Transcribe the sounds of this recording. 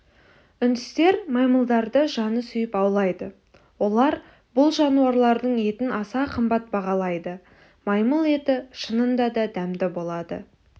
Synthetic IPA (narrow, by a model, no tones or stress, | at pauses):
ʏnd̪ɪst̪e̞ɾmɑjməlˠd̪ɑɾd̪əʒɑnəsʏjɪpɑwlˠɑjd̪ə | wo̞lˠɑɾ | bʊlˠʒɑnuwɑɾlˠɑɾd̪əɴe̞t̪ɪnɑsɑqʰəmbɑt̪̚bɑʁɑlˠɑjd̪ə | mɑjməlˠe̞t̪ɪʃənənd̪ɑd̪ɑd̪æmd̪ɪbo̞lˠɑd̪ə̰